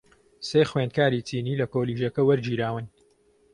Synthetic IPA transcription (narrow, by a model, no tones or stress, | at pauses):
seːxweːnd̪̚kaːɾiːt͡siːniːlɐkoːliːʒɐkɐwɐɾd͡ʒiːɾaːwɨn